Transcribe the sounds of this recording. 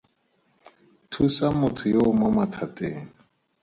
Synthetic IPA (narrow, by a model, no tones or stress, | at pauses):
tʰusamʊtʰujomamatʰatʼɛːn